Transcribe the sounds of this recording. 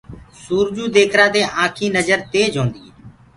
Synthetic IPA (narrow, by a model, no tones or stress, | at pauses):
suːɾd͡ʒuːd̪eːkʰɾaːd̪eːʔãːkʰiːnəd͡ʒəɾt̪eːd͡ʒʱõːnd̪ḭː